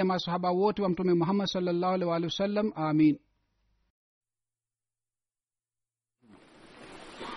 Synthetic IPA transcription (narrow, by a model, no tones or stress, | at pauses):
ɛmasɔhaɓawoːtiwamtumɛmuɦamːadsɔlːalːaːhalɛwaːlɛwsalːamʔamiːn